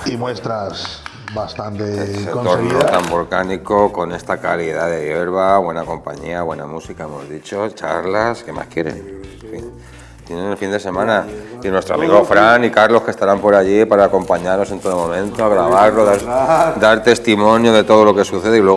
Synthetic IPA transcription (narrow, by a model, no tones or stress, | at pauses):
imwest̪ɾas | bast̪ant̪eset̪oɾnot̪ambo̞lkaniko̞ko̞ne̞st̪akaɾiðaðe̞ʝe̞ɾβaβwe̞nako̞mpa̰ɲḭaβwe̞namusikaemo̞̰zðit͡ʃo̞t͡ʃa̰ɾlaske̞ma̰skjeɾḛn | fin | t̪jenenelfind̪ese̞mãnainwest̪ɾoamiɣo̞fɾanikaɾlo̞hke̞st̪aɾampo̞ɾaʝipaɾaːko̞mpaɲaɾno̞se̞nt̪o̞ðomõmẽ̞nt̪oaɣɾaβaɾloðaɾd̪aɾt̪e̞st̪imo̞njoðe̞t̪o̞ð̞o̞lo̞ke̞suθe̞ðeilwe̞ɣ